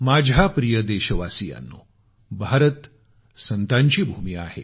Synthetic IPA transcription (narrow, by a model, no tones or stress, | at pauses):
mad͡ʑʱapɾijəd̪eɕəʋasija̰nːṵ | bʱaɾət̪ | sənt̪aɲt͡ɕiːbʱuːmia̰he